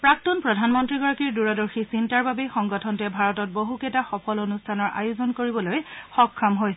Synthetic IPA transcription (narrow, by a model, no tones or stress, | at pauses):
pɹak̚tɔnpɹɔdʱanmɔntɹiɡɔɹakiɹduɹɔdɔɹxisintaɹbabɛxɔŋɡɔtʰɔntɛbʱaɹɔtɔt̚boɦukɛtaxɔpʰɔlonustʰanɔɹʔa̰jozɔnkoɹibɔlojxɔkʰːɔmɦojs